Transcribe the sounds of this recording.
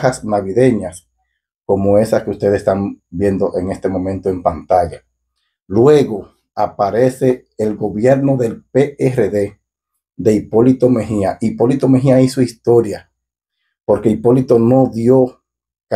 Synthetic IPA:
hasnaβiðe̞ɲas | ko̞moe̞saskeust̪e̞ðest̪ambje̞nd̪o̞ʔe̞ŋe̞st̪e̞mõ̞mẽnt̪oe̞mpant̪aʝa | lwe̞ɣo̞ | apaɾe̞se̞ː | lɡo̞βje̞ɾno̞ðe̞lpeereðe̞ | d̪e̞ipo̞lit̪o̞me̞ɦiaʔipo̞lit̪o̞meɦiaisoist̪o̞ɾja | po̞ɾke̞ipo̞lit̪o̞no̞ðjo | k

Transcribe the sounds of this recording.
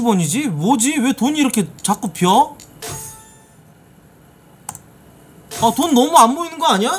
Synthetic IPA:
ibʌɲid͡ʑimod͡ʑiwe̞toniɾʌkʰe̞t͡ɕak͈upʰjʌ | ʌtonːʌmuanboinɯnɡʌaɲa

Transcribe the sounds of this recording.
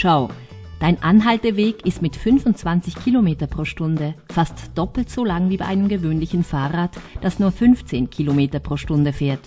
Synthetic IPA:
ʃaʊ | d̥aɪnʔanɦaltəveːkɪstmɪtfʏnfʊntt͡sv̥ant͡sɪçkʰiːlomeːtɐpʁ̥oːʃtʊndəfastd̥ɔpl̩tz̥olaŋviːbaɪʔaɪnəmɡəvøːnlɪçn̩faːʁaːtd̥asnuːɐfʏnft͡seːnkʰiːlomeːtɐpʁ̥oːʃtʊndəfɛːɐt

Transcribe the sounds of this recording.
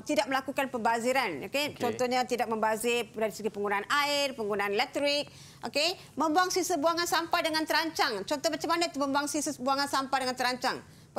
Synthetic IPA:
t̪idak̚məlakukanpəmbaziɾanoket͡ʃɔnt̪ɔhɲat̪idak̚mə̃mbazɪrdaɾisəɡipəŋɡunaːnaɪrpəŋɡunaːnelɛk̚t̪ɾɪk̚ | ʔoke | mə̃mbuaŋsisəbuaŋansampajdəŋant̪əɾaɲt͡ʃaŋt͡ʃɔnt̪ɔhmat͡ʃamanait̪uməmbuaŋsisəsbuaŋansampajdəŋant̪əɾaɲt͡ʃaŋ

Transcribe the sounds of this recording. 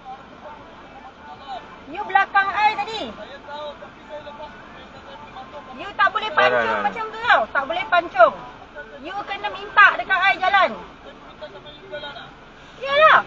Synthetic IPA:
jubəlakaŋajt̪adi | jut̪aʔbolɛhpaɲt͡ʃʊŋmãt͡ʃamɡəawt̪aʔbolɛhpaɲt͡ʃʊŋ | juakandəmint̪aʔdəkanajɡalan | jəlah

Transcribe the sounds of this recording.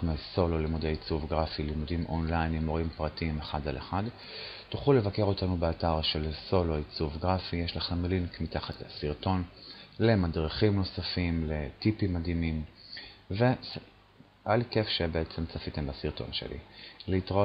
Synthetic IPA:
meso̞lolimudeit͡suvɡʁafilimudimʔonlajnimoʁimpʁatiimeχadaleχad | tuχule̞vake̞ʁo̞tanubeataʁʃe̞lso̞lo̞it͡suvɡʁafijeʃlaχemlinkmitaχatlasiʁto̞nle̞madʁiχimno̞safimletipimːadimim | ve̞ | alkefʃe̞beet͡semt͡safite̞mbasiʁto̞̰nʃe̞̰lḭleitʁa

